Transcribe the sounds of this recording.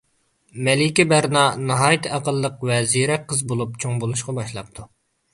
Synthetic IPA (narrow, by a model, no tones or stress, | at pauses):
mɛlɪkʲibæɾnɑnɑɦɑːjt̪ʰɨɑqəlˠːəqvɛziɾɛqʰːəzbolˠup̚t͡ʃʰoŋbolˠuʃqɑbɑʃlˠɑp̚t̪ʰu